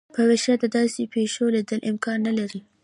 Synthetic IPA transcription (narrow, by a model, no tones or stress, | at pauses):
pɐweʃɐd̪ad̪aːsipeːʃoːled̪ɐlʔɪmkaːnːɐlɐɾiː